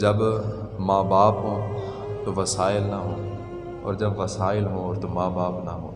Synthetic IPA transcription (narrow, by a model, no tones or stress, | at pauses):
d͡ʒɐbmaːbaːpɦõː | t̪oʋɐsaːɪlnɐɦõː | ɔ̰ːɾd͡ʒɐbʋɐsaːɪlɦõːɔːɾt̪omaːbaːpnɐ̰ɦo̰ː